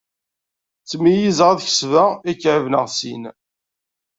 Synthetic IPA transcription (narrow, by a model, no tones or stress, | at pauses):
t͡sːmijizəʁaðçə̥svæikːʕəvnəʁsḭn